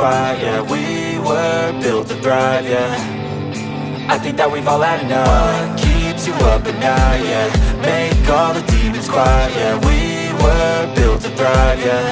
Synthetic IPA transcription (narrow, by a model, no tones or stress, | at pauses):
aəwi | wə˞bɪlˠtədɹaɪvə˞ | aɪθɪ̃ŋk̚ðət̚wivɔlˠənokʰipsɨʌpɨ̃ndaɪjəmeɪkɔðətʰĩmɨz̥kʰw̥aɪəwi | wə˞bɪlˠtədɹaɪvə˞